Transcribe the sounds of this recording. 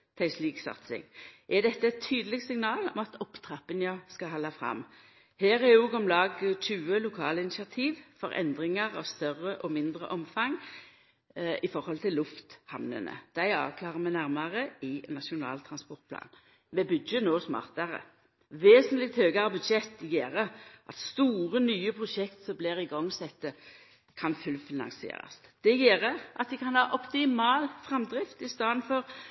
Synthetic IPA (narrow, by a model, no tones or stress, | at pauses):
t̪ʰæɪsliːɡsɑ̰t̪sɪ̰ŋʔɛd̪ɛt̪ːəɛt̪ʰːyːd̪əlɪɡsɪŋnɑːlɔmɑt̪ʰɔpt̪ʰɾɑpːənjɑskɑɦɑlːɑfʁɑ̰mː | heːʁɛjuːɡɔmlɑːɡc͡çʉːəlʊkʰɑːləɪnɪʃɑt̪ʰiːʋfɔɾʔɛ̰nd̪ʁɪŋɑʁɑ̰ːʋst̪œrːəʔɔmɪnd̪ʁə̰ʔɔmfɑŋ | ʔɪfɔʁhɔlt̪ʰɪlːʊft̪hɑmnə̰nə̰d̪̥æɪɑ̰ːʋkʰlɑːʁəmæɪnæʁmɑʁəɪnɑʂʊnɑ̰ːlt̪ʰɾɑnspɔʁt̪̚pʰlɑ̰ːn | mɛbʉd̪jənoːsmɑ̰ːʁt̪ɑʁə̰ | ʋeːsənlɪkt̪høːɡɑʁəbʉd̪ʃɛt̪ːɡeːʁəʔɑt̪st̪uːʁənyːəpʰʁʊʂɛkt̪sɔmblɪʁɪɡɔŋsɛt̪ːə | kʰɑnfʉlfɪnɑ̰ŋsɪḛːɾɑ̰sd̪̥ɛjeːɾəʔɑt̪̚d̪ɪkʰɑnhɑːʔɔpt̪ɪmɑːlfʁɛmd̪ɾɪft̪ɪst̪ɑːd̪nfɔʁ